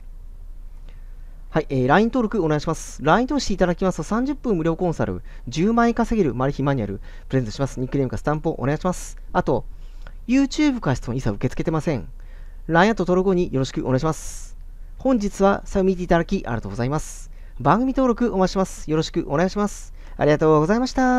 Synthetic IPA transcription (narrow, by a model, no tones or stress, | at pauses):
haiʔeːɾaĩnt̪o̞ːɾo̞kɯ̟o̞ne̞aɕimasɨ̥ɾaĩnt̪o̞ɕi̥t̪eit̪ad̪akʲimasɨ̥t̪osãɲ̟d͡ʑɨpːɯ̃mːɯ̟ɾʲo̞ːkõ̞ɰ̃sa̰ɾɯ̟̰d͡ʑɨːmãikaseɡʲeɾɯ̟maɾʲɯ̟çʲimaɲ̟iaɾɯ̟ | pɯɾeẽt̪oɕimasɨ̥ɲ̟ikɯɾʲemɯ̟kasɨ̥t̪ãmpoʔone̞ɡaiɕimasɨ̥ | at̪o̞ | jɯ̟ːt͡ɕɨːbɯ̟kaɕi̥t͡sɨnoisaɯ̟ke̞t͡sɨ̥ke̞t̪emasẽ̞ŋ | ɾajãt̪ot̪oɾoɡo̞ɲ̟ijo̞ɾo̞ɕi̥kɯ̟oneaɕimasɨ̥ | hõ̞ɲ̟d͡ʑit͡sɨβasaɯ̟mʲit̪eit̪ad̪akʲiʔa̰ɾʲiat̪oːɡozaimasɨ̥ | bãŋɡɯ̟mʲit̪o̞ːɾo̞kɯ̟o̞mat͡ɕiɕimasɨ̥jo̞ɾo̞ɕi̥kɯ̟ʔo̞ne̞ɡaɕimasɨ̥ | a̰ɾʲiɡat̪o̞ːɡo̞zaimaɕi̥t̪a